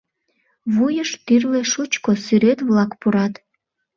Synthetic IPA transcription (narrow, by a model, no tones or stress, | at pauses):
βujəʃt̪yrleʃut͡ɕkosyɾet̪βlɑkpuɾɑt̪